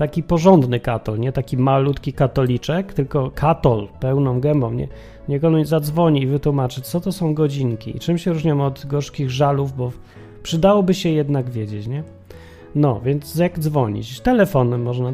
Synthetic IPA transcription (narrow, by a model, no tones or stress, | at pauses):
t̪akʲipɔʐɔnd̪nɘkat̪ɔlɲɛt̪akʲimalut̪kʲikat̪ɔlʲit͡ʂɛkt̪ɘlkɔkʰat̪ɔlpɛwnɔ̃w̃ɡɛmbɔ̃wɲɛ̰ | ɲɛkɔnuzad̪zvɔɲiːvɘt̪wumat͡ʂɘsɔt̪ɔsɔ̃w̃ɡɔd͡ʑiŋkʲḭḭt͡ʂɘmɕɛɾuʐɲamɔd̪ɡɔʂkʲiɣʐaluvbɔ | pʂɘd̪awɔbɘɕɛjɛd̪naɡvʲjɛd͡ʑet͡ɕɲɛ | nɔ̰vʲjɛnd̪zjaɡd̪zvɔɲḭt͡ɕst̪ɛlɛfɔnɛmːɔʐna